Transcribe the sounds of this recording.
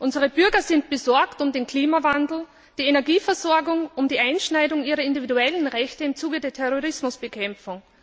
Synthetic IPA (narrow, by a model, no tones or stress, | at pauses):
ʔʊnzəʁ̞əb̥ʏɐɡɐzɪntb̥əzɔɐktʊmdenkʰl̥iːmavandl̩ | d̥iːenɛɐɡiːfɛɐzɔɐɡʊŋʔʊmd̥iːʔaɪnʃnaɪdʊŋiːʁɐɪndividuɛlənʁɛçtəɪmt͡suːɡədeːɐtʰɛʁoʁɪsmʊsb̥əkʰɛmp͡fʊŋ